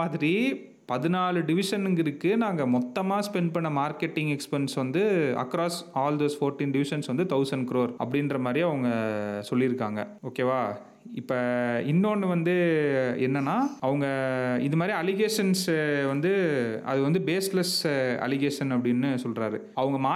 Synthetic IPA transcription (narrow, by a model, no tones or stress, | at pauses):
aːðɪɾi | pɐðɯnaːɭɯɖɪʋɪʂɐnɯŋɡɪɾɯkːɯnaːŋɡɐmɔt̪ːɐmaːspɛɳɖ̚pɐɳːɐmaːɾkɛʈːɪŋɡɛkspɛnsʋɐnd̪ɯɐ̰kːɾaːsaːld̪oːsfoːɾʈĩnɖɪʋɪʂɐnsʋɐnd̪ɯt̪ɐʊsɐɳɖkɪɾoːɾʔɐ̰pːɐɽɪnrɐmaːd̪ɾiɐʋɐŋɡɐsɔlːɪɾɯkːaːŋɡɐ̰oːkeːʋaː | ɪpːɐɪnːoːnːɯʋɐnd̪ɯɛ̰nːɐnːaːɐʋɐŋɡɐɪ̰nðɐmaːd̪ɾiɐlɪɣeːʂɐnsʋɐnd̪ɯɐ̰ðɯʋɐnd̪ɯbeːslɛsɐ̰lɪɣeːʂɐnɐpːɐɽɪnːɯsɔlɾaːɾɯ | ɐʋɐŋɡɐmaː